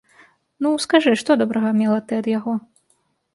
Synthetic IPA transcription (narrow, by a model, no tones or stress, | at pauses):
nuskaʐɨʂt̪ɔd̪ɔbɾɐɣɐmʲɛlˠɐt̪ɨɐd̪jaɣɔ